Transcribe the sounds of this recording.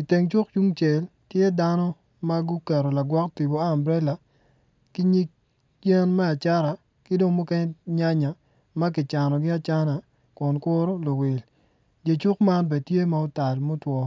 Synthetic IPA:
i˨te˨ŋt͡ʃʊ˦k̚t͡ʃu˦ŋt͡ʃe˨l | tje˦da˦nɔ˦ | ma˦ɡʊ˦kɛ˨ɾo˨la˨ɡwɔ˦kti˨bo˨aː˦˨mbɾɛ˦la˨ | kɪ˦ɲi˦k̚ | je˦nmɛ˦a˨t͡ʃa˦ɾa˨ | kɪ˦do˦ŋmo˦kɛ˦ɲɲa˦ɲa˨ | ma˦k̬ɪ˨t͡ʃa˨nɔ˨ɡɪ˦a˨t͡ʃa˦na˨ | kʊ˨nkʊ˦ɾo˦lo˨wɪ˨l | d͡ʒe˨t͡ʃʊ˦kma˦nbɛ˨tje˦ma˦o˦ta˨lmo˦twɔ˦

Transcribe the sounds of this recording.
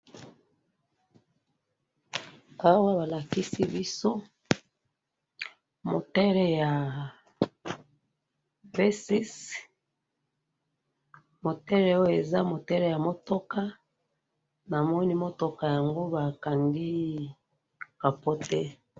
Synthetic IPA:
a˦wa˦βa˨la˨ki˦si˦bi˦so˦ | mo̰˨tɛ˦ɾɛ˨ja˨ | vɛ˦si˦s | mo˨tɛ˦lɛ˨o˦jo˦˨e˨za˦mo˨tɛ˦ɾɛ˨ja˨mo˨to˦ka˦ | na˨mɔ˦ni˦mo˦to˨ka˨ja˨ŋɡo˦ba˨ka˨ŋɡi˦ | b̥a˨po˦tɛ˦

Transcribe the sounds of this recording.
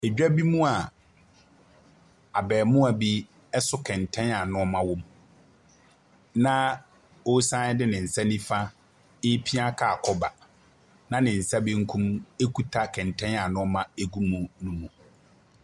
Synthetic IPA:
ɛ˨d͡ʑᶣɛ˦bi˦mũ˦a˨ | a˨bɛː˨mʊ̃˦a˨bi˦ | ɛ˦sʊ˦kʰɛ̃˨n˨tʰɛ̃˦na˨nʊ̃˦ɔ˦mã˦wʊ̃˦m | nã˦ | o˦sã˦ɪ˦dɪ˦nɪ̃˨n̩˨sa˦nĩ˦fa˦ | ɪ˦pʰi˦a˦kʰa˨kʰɔ˦ba˨ | nã˦nɪ̃˨n̩˨sa˦bĩ˦ŋ̩˦kʰũ˦me˦kʰu˦tʰa˦kʰɛ̃˨n˨tʰɛ̃˦na˨nʊ̃˦ɔ˦mã˦e˦ɡu˦mũ˨nũ˦mũ˨

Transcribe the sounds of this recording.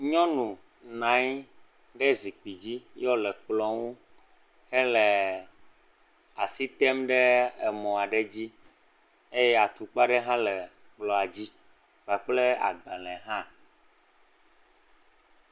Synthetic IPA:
ɲɔ̃˦nũ˨ | nã˨˦ɲ˦ | ɖe˦zi˨k͡pi˨d͡ʑi˦jɔ˦lɛ˨k͡plɔ˨ŋũ˦ | hɛ˦le˨ | a˨si˦t̪ɛ˦mɖe˦e˨mɔ̃˨a˨ɖe˦d͡ʑi˦ | e˦jɛ˦a˨t̪u˨k͡pa˦ɖe˦ɦã˦lɛ˨ | k͡plɔ˨a˨d͡ʑi˦ | ɡ͡ba˨k͡ple˦a̰˨ɡ͡ba˨lɛ̃˨ɦã˦

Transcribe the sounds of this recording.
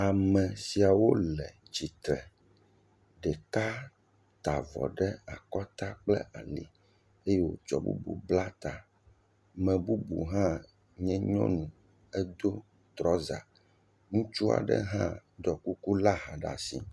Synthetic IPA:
a˨mɛ̃˨si˨a˨wo˦lɛ˨t͡ɕi˨t̪ɾɛ˨ | ɖɛ˨ka˦ | t̪a˨vɔ̰˨ɖɛ˦a˨kɔ˦t̪a˦k͡plɛ̰˦ʔa˨lḭ˨ | e˦jɛ˦wo̰˦˨t͡ʃɔ̰˨bṵ˦bṵ˨bla˦t̪a˨ | mɛ̃˨bu˦bu˨ɦã˦ | ɲɛ̃˦ɲɔ̰̃˦nũ˨ | ɛ˦d̪o˦ | t̪ɾɔ˦za˨ | ŋũ˦t͡ʃu˦a̰˨ɖɛ̰˦ɦã̰˦ɖɔ˨ku˦ku˦la˦ɦa˨ɖa̰˨sḭ˨

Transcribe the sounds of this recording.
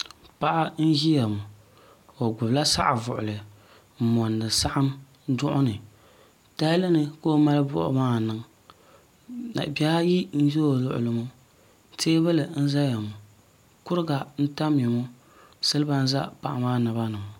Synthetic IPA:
pa˦ʔa˦n̩˦ʒi˦ja˨mʊ˨ | o˨ɡʊ˨bla˦sa̰˦ʔa˨vʊ̰˨ʔʊ̰˨lɨ˨ | mɔ˨nːɨ˨sa˦ʔa˦m˦ | dʊ˦ʔʊ˦nɨ˨ | ta˦lɨ˦nɨ˨ko˦ma˦lɨ˦bʊ̰˦ʔʊ̰˦maː˦nɨ˨ŋ | a̰˨ba˦a˦ji˦n̩˦ʒo˦˨lʊ̰˨ʔʊ̰˨lɨ˨mʊ˦ | teː˦ba˦lɨ˨n̩˦za˦ja˨mu˨ | kʊ˦ɾɨ˦ɡa˨n̩˦ta˦mː˦ɛ˨mu˦ | sɨ˦lɨ˦ba˦n̩˦za̰˦pa̰˨ʔa˨maː˦na˨ba˦nɨ˨m˨

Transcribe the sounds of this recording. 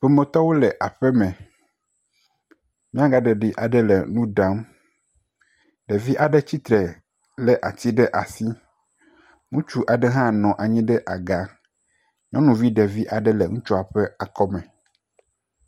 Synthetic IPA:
ɸɛ˨mɛ̃˨t̪ɔ˦wo˦lɛ˨ʔa˨ɸɛ˦mɛ̃˨ | mĩ˦a˦ɡa˨ɖɛ˨ɖi˨ʔa˨ɖɛ˦lɛ̰˨nũ˦da˨˦m | ɖɛ˨vi˦ʔa˨ɖɛ˦t͡ɕi˦t̪ɾɛ˨ | lɛ˨ʔa˨t̪i˦ɖɛ˦ʔa˨si˦ | ŋũ˦t͡ʃu˦ʔa˨ɖɛ˦ɦã˦nɔ̃˨ʔa˨ɲĩ˦ɖɛ˦ʔa˨ɡa˦ | ɲɔ̃˦nũ˨vi˦ɖɛ˨vi˦ʔa˨ɖɛ˦lɛ˨ŋũ˦t͡ʃɔ˦a˨ɸɛ˦a˨kɔ˦mɛ̃˨

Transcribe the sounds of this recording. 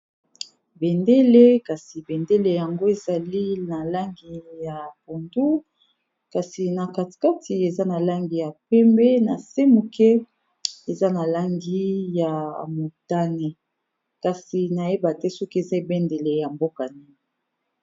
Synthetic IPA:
bɛ˨nde˦le˦ka˨si˨bɛ˨nde˦le˨ja˨ŋɡo˦e˨za˨li˦na˨la˦ŋɡi˨ja˨po˨ndu˦ | ka˨si˨na˨ka˨ti̥˨ka˦ti˨e˨za˦na˨la˦ŋɡi˨ja˨pɛ˦mbɛ˦na˨se˦mu˨kɛ˦ | e˨za˦na˨la˦ŋɡi˦ja˨mo˨ta˦nɛ˨ | ka˨si˨na˨je˦ba˨tɛ˦so˦ki˦e˨za˦e˨bɛ˦nde˨le˨ja˨mbo˦ka˨ni˦˨

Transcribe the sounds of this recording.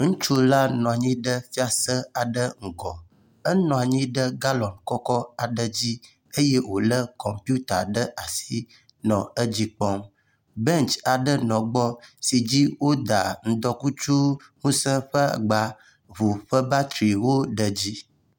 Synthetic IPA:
ŋũ˦t͡ʃu˦la˦nɔ̃˨a˨ɲĩ˦ɖə˦fi˦a˨sə˦a˨ɖə˦ŋ̩˨ɡɔ˨ | ə˦nɔ̃˨a˨ɲĩ˦ɖə˦ɡa˦lɔ̃˨nkɔ˦kɔ˦a˨ɖə˦d͡ʑi˦ | e˦je˦wo˨lə˦kɔ˨mpu˦t̪a̰˨ɖə˦ʔa˨si˦ | nɔ̃˨ə˦d͡ʑi˦k͡pɔ˦m | bɛ˦nt͡ʃa˨ɖə˦nɔ̃˨ɡ͡bɔ˦si˨d͡ʑi˦wo˦d̪a˨ŋ̩˦d̪ɔ˦ku˦t͡ʃu˦ | ŋũ˦sə̃˦ɸə˦a˨ɡ͡ba˨ | vu˨ɸə˦ba˦t̪ɾi˨wo˦ɖə˨d͡ʑi˦

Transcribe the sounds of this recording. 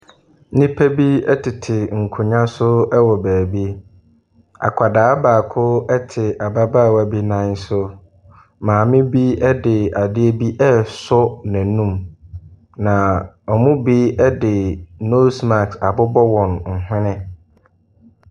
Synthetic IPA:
nĩ˦pʰæ˦bi˦ɛ˦tʰɪ˨tʰɪ˨ŋ̩˨kʰʊ˨ɲã˦sʊ˦ɛ˦wɔ˨bæː˨bi˦ | a̰˨kʷʰa˨daː˨˦baː˨kʰʊ˦ɛ˦tʰɪ˨a˨ba˦baː˦˨wa˨bi˦nã˦n˦sʊ˦ | mãː˨mɪ̃˦bi˦ɛ˦dɪ˨a˨dɪ˦e˦bi˦ʔɛ˦sɔ˦næ̃˨nũ˦m | nã˨ | ɔ˨mʊ̃˦bi˦ɛ˦dɪ˨no˦sma˨ksa˨bʊ˦bɔ˦wɔ̃˨nŋ̩˨ɦɪ̃˦nɪ̃˦

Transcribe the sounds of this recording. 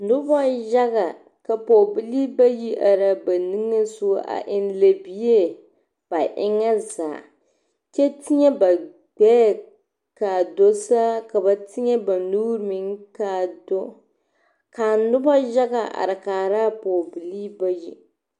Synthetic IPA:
nʊ˦bɔ˦ʒa˦ɣa˨ | ka˨po˨bi˨li˦ba˦ji˦ʔa˨ɾa˦ba˨nɨ˦ŋa˦su˦ʔa̰˨ʔɪ˦nle˨bi˦e˦ | b̥a˨ʔɪ˦ŋa˦zaː˨ | t͡ʃɛ˦tɪ˦ɲɛ˦ba˨ | ɡ͡bɛː˦ | ka˨do˦sa˦ka˨ba˨tɪ˦ɲɛ˦ba˨nuː˦ɾɨ˦mi˨ŋka˨do˦ | ka˨nʊ˦bɔ˦ʒa˦ɡa˨ʔa̰˨ɾɪ˨kaː˨ɾa˦poː˨bɨ˨li˦ba˦ji˦

